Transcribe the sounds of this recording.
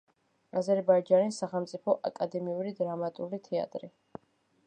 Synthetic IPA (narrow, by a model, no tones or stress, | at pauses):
azɛɾbajd͡ʒanisːaχɛlˠmt̪sʼipʰɔʔa̰kʼad̪ɛmiuɾid̪ɾamat̪ʼulit̪ʰɛa̰t̪ʼɾi